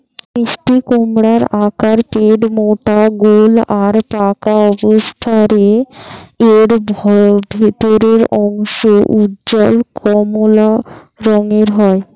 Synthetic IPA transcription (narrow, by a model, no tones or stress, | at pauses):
kɾiʃʈikomɽaɾakaɾʈeɖmoʈaɡolaɾpakaɔbost̪ʰaɾe | eɾbʱɔbʱet̪oɾeɾɔŋʃoʔudd͡ʑɔlkʰɔmola | ɾɔŋeɾɦɔe